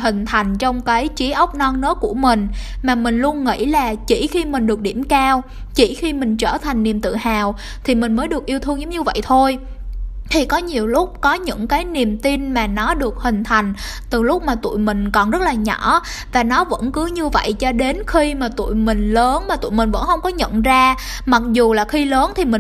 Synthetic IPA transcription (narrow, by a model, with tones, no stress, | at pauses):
ɦï˨˩ŋ̟t̪ʰa˨˩jŋ̟t͡ɕɔ˧wŋ͡mkaː˨˦jt͡ɕi˨˦ʔə˦˥wk͡p̚nɔ˧nnɨ̰˧˥˦ku˧˩əmï˨˩ŋ̟maː˨˩mï˨˩ŋ̟lu˧ənŋḭ˧˥laː˨˩t͡ɕḭ˧˩xi˧mï˨˩ŋ̟ɗɨ˨˩ək̚ɗi˧˩əmkaː˧w | t͡ɕḭ˧˩xi˧mï˨˩ŋ̟t͡ɕəː˧˩t̪ʰa˨˩jŋ̟ni˨˩əmt̪ɨ̰˧˨haː˨˩w | t̪ʰi˨˩mï̟˨˩məː˨˦jɗɨ˨˩ək̚ʔi˧əwt̪ʰɨ˧əŋzə˨˦ŋ͡mɲɨ˧və̰˧˨jt̪ʰo˧j | t̪ʰi˨˩kɔ˨˦ɲi˨˩əwlʊ˦˥k͡p̚kɔ˨˦ɲɨ̰˧˥ŋkaː˨˦jni˨˩əmt̪i˧nmaː˨˩nɔ˨˦ɗɨ˨˩ək̚hï˨˩ŋ̟t̪ʰa˨˩jŋ̟ | t̪ɨ˨˩lʊ˦˥k͡p̚maː˨˩t̪ṵ˧˨jmï˨˩ŋ̟kɔ˨˩nzə˦˥t̚laː˨˩ɲɔ̰˧˩˥ | vaː˨˩nɔ˨˦və̰˧˥nkɨ˨˦ɲɨ˧və̰˧˨jt͡ɕɔ˧ɗe˨˦nxi˧maː˨˩t̪ṵ˧˨jmï˨˩ŋ̟ləː˨˦nmaː˨˩t̪ṵ˧˨jmï̟˨˩və̰˧˥nxə˧wŋ͡mkɔ˨˦ɲə̰˧˨nzaː˧ | ma˨˩k̚zu˨˩laː˨˩xi˧ləː˨˦nt̪ʰi˨˩mï˨˩